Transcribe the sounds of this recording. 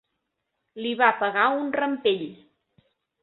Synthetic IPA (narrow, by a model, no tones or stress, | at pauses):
liβapəɣaunrəmpeʎ